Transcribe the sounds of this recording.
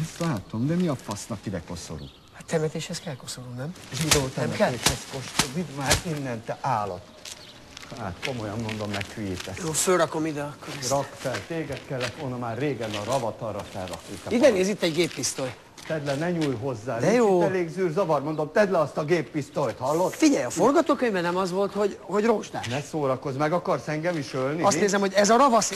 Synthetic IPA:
ɛst̪laːt̪o̞md̪ɛmiɒpɒsnɒkid̪ɛko̞so̰ɾṵː | hat̪ːɛmɛt̪eːʃhɛskɛlkosolomnɛmʒid̪oːt̪ɛmɛɛeːʃhɛskoʃt̪omid̪maːɾinːɛnt̪ɛʔaːlɒt̪ː | haːt̪ko̞mo̞jɒnmo̞nd̪o̞mːɛkhyijit̪ɛsjoːfølɾɒkomid̪ɛkːorɒkfɛlt̪eːɡɛt̪kɛlːɛt̪ʋolnɒmaːrːeːɡɛnɒɾɒvɒt̪ɒrːɒfɛ̰lːɒ̰kuk̪ɒiɡ̪ɛneːzit̪ːɛɟɡeːpːist̪oj | t̪ɛd̪lɛnɛɲuːjɦo̞zːaːld̪ɛjoiːɛleːɡzyːrzɒvɒrmo̞nd̪o̞mt̪ɛd̪lɛɒst̪ɒɡeːpːist̪ot̪hɒlːot̪ːfiɟɛjɒforɡɒt̪oːkøɲbɛnɛmɒzʋo̞lt̪ho̞ɟho̞ɟroːʒd̪a̰ːnʃɛsoːɾɒko̞zmɛɡɒkɒrsɛŋɡɛmiʃølniɔst̪neːzɛmhoɟɛzɒɾɒvɒs

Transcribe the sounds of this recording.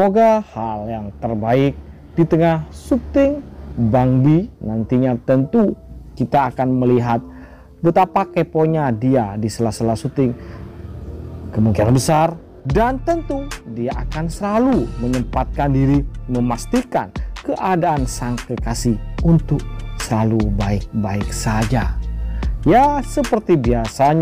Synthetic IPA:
moɡahaljaŋt̪ərbaɪk̚ | dit̪əŋahsut̪ɪŋbaŋbinant̪iɲat̪ənt̪ukit̪aːkanməliɦat̪̚ | bət̪apakepoɲadiadisəlasəlasut̪ɪŋ | kəmuŋkianbəsar | dant̪ənt̪udiaʔakansəlaluməɲəmpat̪̚kandiɾiməmast̪ika̰nkəʔadaʔːnsaŋkəkasihunt̪ʊk̚səlalubaɪk̚baɪksad͡ʒa | jasəpərt̪ibiasaɲ

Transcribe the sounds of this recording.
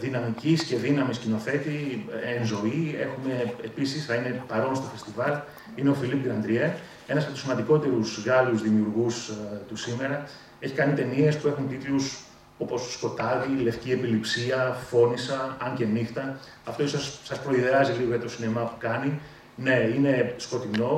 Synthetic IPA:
ðinɐmicisce̞ðinɐmiscino̞θe̞t̪ienzo̞ie̞xume̞episisθɐine̞pɐɾo̞nst̪o̞fe̞st̪ivɐl | ineo̞filip̚t̪inɐnd̪ɾie | e̞nɐsɐpet̪usimɐnd̪iko̞t̪e̞ɾusɣɐluzðimiuɾɣust̪usime̞ɾɐ | e̞çi̥kɐnit̪e̞nie̞spue̞xunt̪it̪lus | o̞po̞sːko̞t̪ɐðile̞fcie̞pilipsiɐfo̞nisɐɐɲce̞nixt̪ɐ | ɐft̪oisɐssɐspɾo̞iðeɾɐziliɣoʝɐt̪o̞sinemɐpu̥kɐni | ne̞ine̞sko̞t̪ino̞

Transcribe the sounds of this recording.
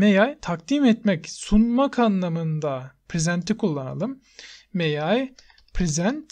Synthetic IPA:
mejajt̪ʰak̚d̪imɛt̪mɛcsunmakʰanlˠamɯnd̪apʰɾezænt̪ʰikʰulˠːana̰lˠɯmː | ejaj | pʰɾezænt̪

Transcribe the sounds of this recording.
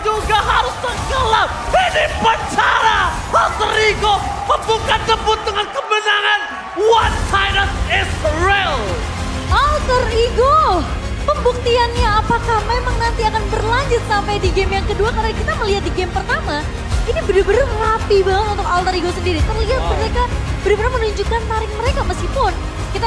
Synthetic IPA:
d͡ʒuɡaɦaɾʊst̪əɡəlap̚ədipət͡ʃaɾa | alt̪əɾiɡopəbukant̪əbʊt̪̚d̪əŋankəbənaŋan | want͡ʃajnat̪ɛsɾɛl | ʔalt̪əriɡo | pəmbuk̚t̪ianɲaːpakahmemaŋnant̪iakanbərlaɲd͡ʒʊt̪̚sampajdiɡɛmjaŋkəduakaɾonakit̪aməliɦat̪̚diɡɛmpərt̪ama | inibədbəɾaməlapibaŋət̪unt̪ʊkalt̪əɾiɡosəndiɾit̪ərliɦat̪̚bəɾekabəɾabəɾamənuɲd͡ʒukant̪aɾɪk̚məɾekaməskihpʊn | kit̪a

